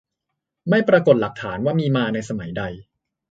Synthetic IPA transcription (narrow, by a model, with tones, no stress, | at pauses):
ma˥˩jpɾaː˧ko˨˩t̪̚la˨˩k̚t̪ʰaː˩˦nwaː˥˩miː˧maː˧na˧jsa˧ma˩˦jda˧j